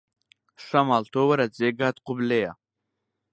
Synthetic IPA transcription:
sɐmalt̪owɐɾɐd͡zeɡaːt̪qʊbleja

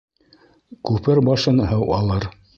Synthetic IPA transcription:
kʉpɘɾbɑʃɤnɦɤwɑlˠɤɾ

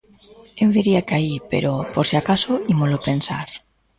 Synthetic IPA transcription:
ewðiɾiakaipḛɾopoɾseakasoimolopensa̰ɾ

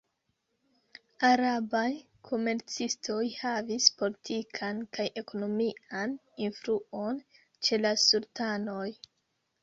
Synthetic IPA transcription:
aɾabaj | kʰo̞me̞ɾt͡sistʰo̞jhavispo̞litʰikʰankajʔe̞ko̞no̞mian | infɾuo̞n | t͡ʃe̞lasultano̞j

